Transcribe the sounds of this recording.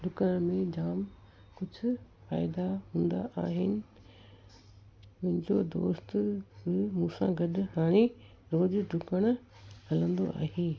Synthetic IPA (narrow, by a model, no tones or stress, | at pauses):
ɖʱʊkəɽ̃mẽd͡ʑaːm | kʊd͡ʑʱʊfa̰ːɪd̪aɦũːnd̪a̰ʔaːɦɪnɪ̆ | mɐ̃ɦɪ̃ɲd͡ʑod̪o̰ːst̪bɪmũːsã̰ɡɐɗɦaːɽ̃e | ɾoːd͡ʑɖʱʊkəɽ̃hɐlə̃nd̪o̰ʔa̰ːɦeː